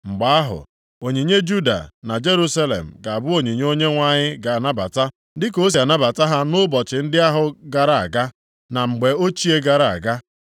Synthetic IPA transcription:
ŋ͡m̩˨ɡ͡ba˨˦a˦ɦʊ̰˨ | o˨ɲi˨ɲe˦d͡ʒu˦da̰˨na˨d͡ʒe˦ɾu˦sa˦lḛ˨m̩˨ɡa˨a˨bʊ˦o˨ɲi˨ɲ˦o˦ɲe˦ŋʷa˨ɲɪ˦ɡa˨a˨na˦ba̰˨ta˦ | dɪ˦ko˦s̬i˨a˨na˦ba˨ta˦ɦa˦nʊ˦bɔ˨t͡ʃɪ˨n̩˦dɪ˦a˦ɦʊ˨ɡa˨ɾa˨a̰˨ɡa˦ | na˨ŋ͡m̩˨ɡ͡be˨o˦t͡ʃi˦e˦ɡa˨ɾa˨a̰˨ɡa˦

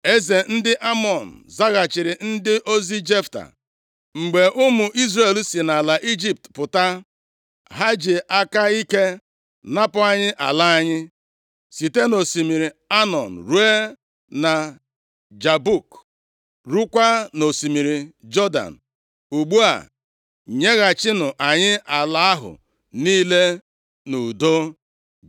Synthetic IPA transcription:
e˦ze˨n̩˦dɪ˦ʔa˦mɔ˨n̩˨za˦ɣa˨t͡ʃɪ˨ɾɪ˨n̩˦dɪ˦ʔo˦zi˦d͡ʒe˦fta̰˨ | ŋ͡m̩˨ɡ͡be˨ʔʊ˦mʊ˨ʔi˦zre˨lsi˨na˨la˨ʔi˦d͡ʒi˦p̚tpʊ˨ta˦ | ɦa˦d͡ʒɪ˨ʔa˦ka˦i˦ke˦ | na˦pʊ˨a˦ɲɪ˦ʔa̰˨la˦a˦ɲɪ˦ | si˨te˦no˨si˨mi˨ɾi˨a˦nɔ˨n̩˨ɾu˦e˦ | na˨ | d͡ʒa˨bu˦˨k | ɾu˦kʷa˦no˨si˨mi˨ɾi˨d͡ʒɔ˦da̰˨n̩˨ | u˨ɡ͡bu˦a̰˨ | ɲe˦ɣa˨t͡ʃɪ˦nʊ˨ʔa˨ɲɪ˦ʔa˨la˦a˦ɦʊ̰˨ | niː˦le˦ | nu˨do˦

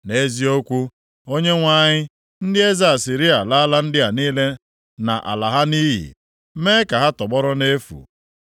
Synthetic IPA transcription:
ne˦zi˦o˦kʷu˦ | o˦ɲe˦ŋʷa˦˨ɲɪ˦ | n̩˦dɪ˦e˦za˦˨a˨si˨ɾi˦a˨la˦la˦n̩˦dɪ˦a˨niː˦le˦ | na̰˨ʔa̰˨la˨ɦa˦niː˦ɦḭ˨˦ | me˦ka˨ɦa˦tɔ˨ɡ͡bɔ˦ɾɔ˦ne˦fṵ˨

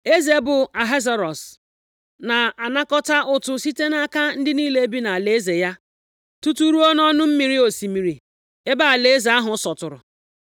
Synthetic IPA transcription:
e˦ze˨bʊ˨a˨ɦe˦za˨ɾɔ˨s | na˨a˨na˦kɔ˦ta˦ʔʊ˨tʊ˦si˦te˦na˦ka˦n̩˦dɪ˦niː˦le˦e˦bi˦na˨le˨e˦ze˨ja˦ | tu˦tu˦ɾu˦ɔ˦n˦ɔ˦nʊ˦m̩˦mi˨ɾi˦o˨si˨mi˨ɾi˨ | e˦ba˦a˨le˨e˦ze˨a˦ɦʊ˨˦sɔ˨tʊ˨ɾʊ̰˨

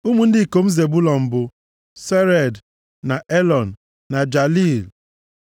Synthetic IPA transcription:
u˦mu˨n̩˦dɪ˦˨ko˨m̩˦ze˨bu˦lɔ˨m̩˨bʊ˨ | se˦ɾe˨d | na˨ʔe˦lɔ˨n̩˨ | na˨d͡ʒa˨li˦˨l

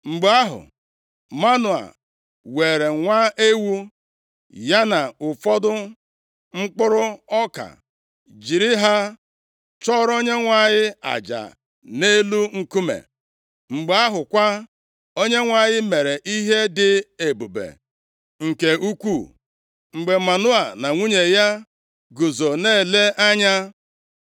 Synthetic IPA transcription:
ŋ͡m̩˨ɡ͡ba˦ɦʊ̰˨ | ma˦nʊ˨a̰˨ | we˨ɾe˨ŋʷa˦ʔe˦wu˦ | ja˦na˨ʊ˨fɔ˦dʊ˦ | ŋ͡m̩˦k͡pʊ˦ɾʊ˦ɔ˦ka̰˨ | d͡ʒi˨ɾɪ˦ɦa˦ | t͡ʃɔ˦ɾo˦ɲe˦ŋʷa˨ɲɪ˦a̰˨d͡ʒa̰˨ | ne˦lu˦ŋ̩˨ku˦mḛ˨ | ŋ͡m̩˨ɡ͡be˨˦a˦ɦʊ˨kʷa˦ | o˦ɲe˦ŋʷa˨ɲɪ˦me˨ɾe˨ʔi˦ɦe˦dɪ˦e˨bu˨bḛ˨ | ŋ̩˨ke˨u˦kʷu˦˨ | ŋ͡m̩˨ɡ͡be˨ma˨nʊ˦a˨na˨ŋʷu˦ɲe˨ja˦ | ɡu˨zo˨ne˦˨le˦ʔa˦ɲa˦

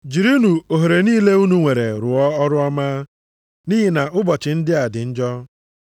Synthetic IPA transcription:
d͡ʒi˨ɾu˦nu˨o˨ɦo˨ɾe˨niː˦le˦u˦nu˨ŋʷe˨ɾḛ˨ɾʊ˨ɔ˦ɔ˦ɾʊ˦ɔ˦maː˦ | ni˦ɦi˨na˨ʔʊ˦bɔ˨t͡ʃɪ˨n̩˦dɪ˦a˨dɪ˨n̩˦d͡ʒɔ˦

